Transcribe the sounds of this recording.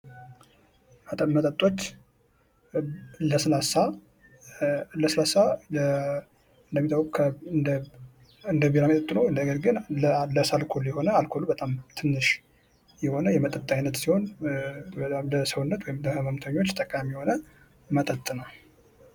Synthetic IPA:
mət̪ʼamːət̪ʼət̪ʼːo̞t͡ʃː | ləsɨlasa | ləsɨlasaə | ɨnd̪əmːit̪ʰʼawkʼukʰə | ɨnd̪əbeɾamət̪ʼət̪ʼːnəwɨləɡəɾɡɨnləsalkʰoljɛho̞nəalkʰo̞lubət̪ʼamt̪ʰɨnːɨʃ | jɛho̞nəjɛmət̪ʼət̪ʼːajnət̪siho̞n | ləsəwunːət̪wɔjɪmləmamt̪ʰəɲːot͡ʃːt̪ʼəkʼamiijɛho̞nə | mət̪ʼət̪ʼːnəw

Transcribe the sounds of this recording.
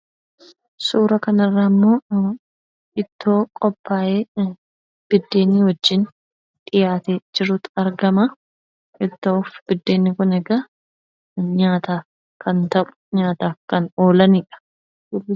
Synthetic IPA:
suːɾɐkɐnɐrːaːmːo̞ː | ʔɪt̪ːo̞ːkʼɔpːaːʔeː | b̥ɪd̪ːe̞ːnːiːwɐd͡ʒːɪn | t̪ɪjaːt̪ed͡ʒɪɾuːt̪ɐɾɡɐmɐ | ʔɪt̪ːoːfb̥ɪd̪ːeːnːɪkʊnɛɡɐ | ɲaːt̪aː | kɐnt̪ɐʔʊ̥ɲaːt̪aːkɐno̞ːlɐnɪᶑɐ̥ | dʊbːɪ

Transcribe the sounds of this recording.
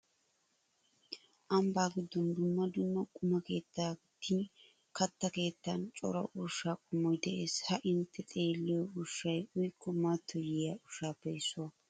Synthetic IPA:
ʔɐmbaːɡɪd̪ːɔnd̪ʊmːɐd̪ʊmːɐkʼʊmɐke̞ːt̪ːaː | t̪ʰːi | kɐt̪ːɐke̞ːt̪ːɐnt͡ʃʼɔ̰ɾɐ̰ʔʊʃaːkʼʊmːɔjd̪ɛʔe̞ːshɐʔɪnt̪ʰːɛt̪ʼe̞ːlːɪjɔʊʃːɐjʊjkːɔmat̪ʰːɔjɪjaʊʃaːbɐjsʊɐ

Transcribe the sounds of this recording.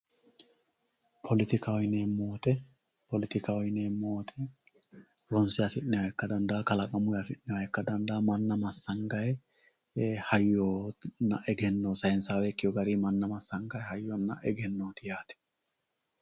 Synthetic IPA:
pʰɔlɪt̪ɪkawɪneːmoːt̪ɛ | pɔlɪt̪ɪkawjɪneːmːoːt̪ʰɛ | ɾɔnsɪjafɪnːɪwaɛkːɐd̪ɐnd̪aːkɐlɐkʼɐmʊjafɪʔːɪwɐɛkːɐd̪ɐnd̪ɐːmɐnːɐmɐsːɐŋɡɐjɛ | hɐjːoːnːɐ̰ʔɛɡɛnːoːsɐɪnsaːwɛkːɪjɔɡɐɾiːmɐnːɐmɐsːɐŋɡɐjɛhɐjːɔnːɐ̰ʔɛɡɛnːoːt̪ɪjaːt̪ɛ̥

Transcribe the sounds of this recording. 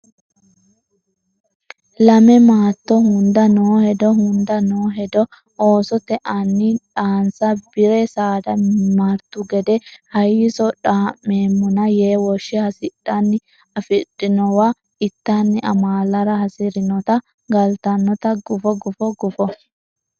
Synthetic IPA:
lɐmɛmaːt̪ːɔhʊnd̪ɐnoːhɛd̪ɔhʊnd̪ɐnoːɦɛd̪ɔ | ʔoːsɔt̪ɛʔɐnːɪᶑaːnsɐbɪɾɛsaːd̪ɐmaːɾt̪ːʊɡɛd̪ɛhɐjɪsɔᶑaːmːeːmːɔnɐjeːwɔʃːɛhɐsɪᶑːɐnːɪ | ɐfɪᶑɪnɔwa | ɪt̪ːanːɪʔɐ̰maːlɐɾɐhɐsɪɾɪnɔt̪ɐ | ɡɐlt̪ɐnːɔt̪ɐɡʊfɔɡʊfɔɡʊfɔ

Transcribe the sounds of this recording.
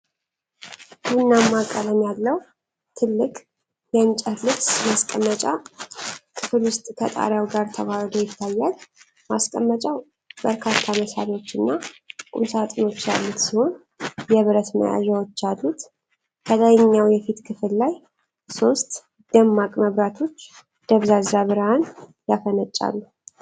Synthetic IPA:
ɡunːamːakʼːələmjalːəw | t̪ʰɨlːɨkʼ | jɛnt͡ʃʼəlɨt̪maskʼəmːət͡ʃʼa | kʰɨfɨlwʊst̪ʼkʰət̪ʼa̰ɾawɡaɾt̪ʰəβahd̪ojɪt̪ʰːajːal | ma̰skʼəmːət͡ʃʼaw | bəɾkʰat̪ʰːaməsa̰ɾiwo̞t͡ʃːɨnːakʼṵsat̪ʼɨno̞t͡ʃːja̰lːut̪siho̞n | jɛβɨɾət̪mə̰ʔa̰ʒawɔt͡ʃːad̪ut̪ | kʰələjɲːawjɛfit̪kʰɨfɨllaj | so̞st̪ | d̪̥əmːakʼməβɾat̪ʰo̞t͡ʃː | d̪̥əβzazaβɨɾhanjafənət͡ʃʼːa̰lːu

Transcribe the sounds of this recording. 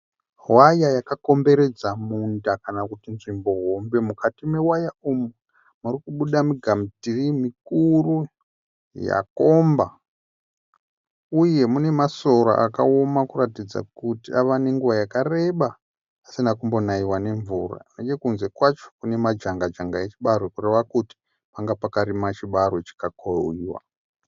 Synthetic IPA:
wajajakako̞mbe̞ɾe̞d͡zamundakanakutinʐimbo̞ɦombe̞mukatime̞wajaumu | murikuɓuɗamiɡʱamtirimikuru | ja̰ko̞mba | uje̞mune̞maso̞ɾa̰ʔa̰kao̞makuratid͡za̰kutiaʋane̞ŋɡuwajakare̞ɓaː | sinakumbo̞naiwane̞ɱvura̰nekekunze̞kwat͡ʃo̥kune̞mad͡ʒaŋɡad͡ʒaŋɡajet͡ʃiɓaɾokure̞ʋakuti̥ | paŋɡapakaɾimat͡ʃiɓaɾo̞t͡ʃi̥kakoiwa̰

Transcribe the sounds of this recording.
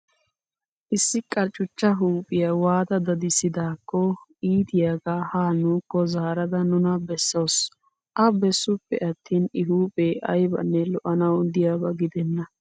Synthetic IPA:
ʔɪsːɪkʼɐɾt͡ʃʼʊt͡ʃːɐɦuːpʼɪjɐwaːd̪ɐd̪ɐd̪ɪsɪd̪aːkːɔiːt̪ɪjaːɡahaːnuːkːɔzaːɾɐd̪ɐnʊnɐbɛsːɐws | ʔɐbɛsːʊpːɛ̰ʔɐt̪ʰːiːnɪɦuːpʼɛʔɐ̰jbɐ̰nːɛlɔʔɐnɐwd̪ɪjaːbɐɡɪd̪ɛnːɐ

